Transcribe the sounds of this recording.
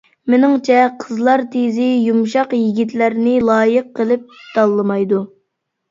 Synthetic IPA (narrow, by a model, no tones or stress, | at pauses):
menɪŋt͡ʃʰɛqʰəzlˠɑɾt̪ʰezɪjumʃɑqjiɡʲit̪læɾnɪlˠɑːjəqʰːəlˠɨp̚d̪̥ɑlˠːɨmɑjd̪u